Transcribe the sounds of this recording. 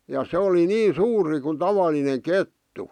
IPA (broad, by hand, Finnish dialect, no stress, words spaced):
jɑ se oli niː suːri ku tɑʋɑlineŋ ketːu